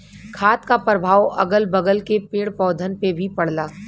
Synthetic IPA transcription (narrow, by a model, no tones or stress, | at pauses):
kʰaːt̪kapɾəbʱaːwʔɐɡəlbɐɡəlkepeːɽpɔːd̪ʱənpebʱipɐɽ̤laː